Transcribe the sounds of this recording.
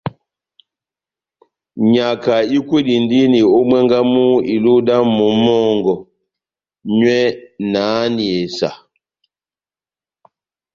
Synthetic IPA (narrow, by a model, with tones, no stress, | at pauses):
ɲa˨ka˨i˦kwe˦di˨n˦di˦ni˨o˦mwɛ˦ŋɡa˦mu˦i˨lu˦da˦mɔ˨mɔ˦˨ŋɡɔ˨ | ɲwɛ˦naː˨˦ni˨e˨sa̰˨